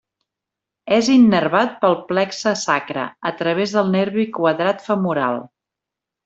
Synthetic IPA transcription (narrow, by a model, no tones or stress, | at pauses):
ɛzinːəɾβat̪̚pəlˠplɛksəsakɾə̰ət̪ɾəβ̞ezðəlˠneɾβikwəðɾat̪fəmuɾa̰lˠ